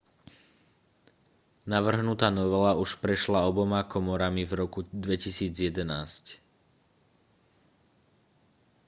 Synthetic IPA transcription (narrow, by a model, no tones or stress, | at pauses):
naʋr̩ɦnut̪aːnɔʋɛlauʃpɾɛʃlaɔbɔmakɔmɔɾamivɾɔkud̪ʋɛcisiːd͡zjɛd̪ɛnaːsc